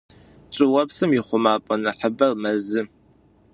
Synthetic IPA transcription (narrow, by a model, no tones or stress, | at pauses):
t͡ʃʼɪwɐpsɨmjɪχʷʊmaːpʼɐnɨħəbɐrmɐzɨ